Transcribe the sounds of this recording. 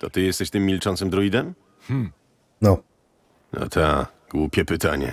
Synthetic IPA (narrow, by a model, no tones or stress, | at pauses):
t̪ɔt̪ɘjɛst̪ɛɕt̪ɘmːʲilt͡ʂɔnt̪sɛmd̪ɾɔid̪ɛm | hm̩ | nɔ | na̰t̪ʰa | ɡ̥wupʲɛpɘt̪aɲɛ̰